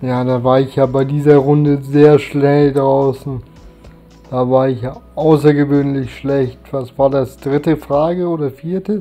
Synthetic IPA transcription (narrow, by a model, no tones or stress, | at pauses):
jaːdaːvaːɐɪçjaːbaɪdiːzɐʁʊndəzeːɐʃlɛldʁaʊsn̩ | d̥aːvaːɐɪçjaːʔaʊsɐɡəvøːnlɪçʃlɛçtv̥asv̥aːɐdasd̥ʁɪtəfʁ̥aːɡəoːdɐfiːɐtə